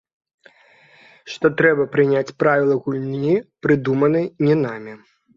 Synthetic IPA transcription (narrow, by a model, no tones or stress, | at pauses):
ʂt̪ɔt̪ɾɛbɐpɾɨnʲat͡sʲpɾavʲilˠɐɣulʲnipɾɨd̪umɐnɨjnʲinamʲi